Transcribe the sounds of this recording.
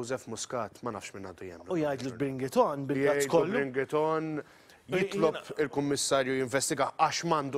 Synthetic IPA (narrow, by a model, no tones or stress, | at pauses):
wzɛfmʊskɐːt̪mɐnɐ̰ːfʃmɪnɐ̰ːd̪ujɛ̰mːnʊjɐjd̪lubɾɪŋɡɪt̪ɔnbɪljɐjd̪kɔulːɾɪŋɡɪt̪ɔn | jɪt̪lɔpɪlkʊmːɪsːɐːɾjujɪɱvɛst̪ɪɡɐɐʃmɐːnd̪u